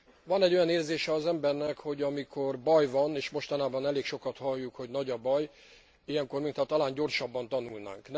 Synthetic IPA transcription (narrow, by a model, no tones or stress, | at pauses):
vɒnɛɟːo̞jɒneːrzeːʃɛɒzɛmbɛrnɛkho̞ɟɒmikʰo̞rbɒjvɒneːʃmo̞ʃt̪ɒnaːbɒnɛleːkʃo̞kɒt̪hɒjːukho̞ɟnɒɟɒbɒj | ijɛŋko̞rmint̪ɒt̪ːɒlaːɲɟo̞rʃɒbːɒnt̪ɒnulna̰ːŋkn